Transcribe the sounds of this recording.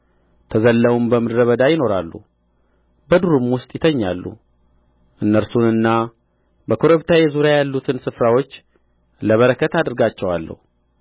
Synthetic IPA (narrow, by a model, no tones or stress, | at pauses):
t̪ʰəzəlːəwumbəmɨd̪ɾəβəd̪ajɪno̞ɾalːṵ | bəd̪uɾumwʊst̪ʼjɪt̪ʰəɲːalːṵ | ʔɨnːəɾsunɨnːa | bəkʰoɾoβt̪ʰajɛzuɾjajalːut̪ʰɨnsɨfɾawo̞t͡ʃː | ləβəɾəkʰːət̪ad̪ɨɾɡat͡ʃːɛwa̰lːə̰hu